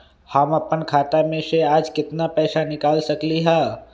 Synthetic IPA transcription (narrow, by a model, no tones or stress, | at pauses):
hamɐpənkʰaːt̪amẽʃeaːd͡ʒkɪt̪napɛːsanɪkaːlsɐkliɦɛː